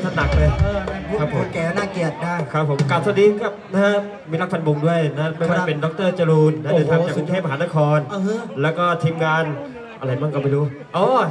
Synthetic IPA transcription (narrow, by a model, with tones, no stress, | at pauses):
t̪ʰaː˥˩na˨˩k̚lɤː˧jːkʰa˦˥pʰːo˨˧˦kɛː˨˩naː˥˩ki˨˩ət̪̚daː˥˩jkʰa˦˥pʰːo˩˦mkla˨˩t̪ʰa˥˩niː˧˥˦kʰa˦˥˩p̚na˦˥ha˦˥ | miː˧ɾla˦˥k̚fʰa˧nbo˧ŋdu˥˩əjna˦˥ma˥˩wwaː˥˩˧pe˧ndɔ˧˦˥k̚t̪ɤː˥˩t͡ɕaː˧luː˧nːa˧˦˥dɯː˧˩t̪ʰaː˧˥˩aː˨˩kku˧ŋk̪ʰːp̚ma˧ɦaː˨˧˦na˦˥kʰɔː˧no˧ɦlɛː˦˥wkɔː˥˩t̪ʰiː˧mŋaː˧n | ʔa˧ɾa˧˩jmaː˥˩ŋkɔː˥˧˩ma˧˩ɾuː˦˥ | ʔɔː˧˩